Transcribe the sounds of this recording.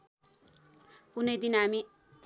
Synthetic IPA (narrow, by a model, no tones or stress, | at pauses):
punʌjd̪inɦami